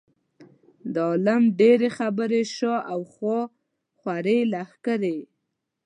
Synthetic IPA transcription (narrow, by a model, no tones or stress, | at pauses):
d̪əɑlamɖeɾexabəɾeʃoʔawxwo | xwaɾelaxkəɾe